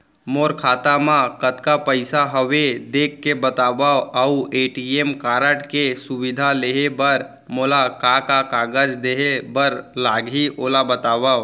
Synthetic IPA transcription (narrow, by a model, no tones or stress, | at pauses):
moːɾkʰaːt̪amãkət̪kapəɪsaɦəʋed̪eːkʰːebət̪aːbaəueːʈiemkaːɾəʈkesʊʋɪd̪ʱaleːɦebəɾ | moːlakakakaːɡəd͡ʒd̪eːɦebəɾlaːɡiʔoːlabət̪aːbaː